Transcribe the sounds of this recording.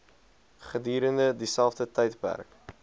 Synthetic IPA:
χədyːɾəndədisælˠfdətɛjtpæ̰rk

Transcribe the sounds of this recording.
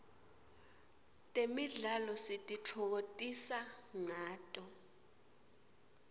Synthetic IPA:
tʼemiɮalɔsitʼit͡ɬʰɔk̬otʼisaŋaːtʼɔ

